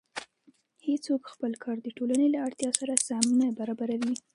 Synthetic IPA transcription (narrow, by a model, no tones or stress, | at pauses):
het͡sokxpəlkʰɑɾd̪əʈolanelaaɽt̪jɑsaɾasamnabaɾɑbaɾawi